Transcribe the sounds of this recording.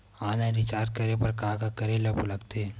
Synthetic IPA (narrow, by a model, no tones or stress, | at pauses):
aːnãɾɪt͡ʃaːɾt̪̚kɐɾepɐɾkaːkakɐɾelɐpulɐɡt̪e